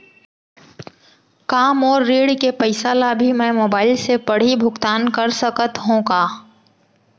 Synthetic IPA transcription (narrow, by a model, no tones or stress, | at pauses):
kaːmɔːɾːeːɽkepəɪsaːlabʱimɛ̃moːbaːɪlsepɐɽ̤ibʱʊkt̪aːnkɐɾsəkət̪ɦõːkaː